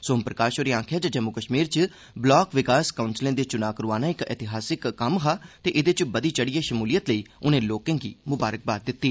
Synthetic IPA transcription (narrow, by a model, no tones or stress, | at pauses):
soːʊmpɾəkaːʃoɾiːãːkʰjaːd͡ʒaːd͡ʒəmukəʃmiːɾt͡ʃ | blɔːkʋɪkaːskaʊnslẽːd̪eːt͡ʃʊnaːkəɾuaːnaːɪkɛ̰t̪ɪɦaːsɪkːəmɦaːt̪eːʔɪd̪eːt͡ʃbəd̪iːt͡ʃəɽiːeːʃəmuːlijət̪ləiːʊnẽːloːkãːɡḭːmʊbaːɾək̚baːt̪̚d̪ɪt̪ːiː